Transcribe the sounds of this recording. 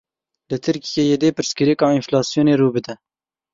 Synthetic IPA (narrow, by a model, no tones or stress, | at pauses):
lət̪ʰɨɾkijejed̪eːpɨɾskəɾikɑːɪnflɑːsjoːneːɾuːbɨd̪ɛ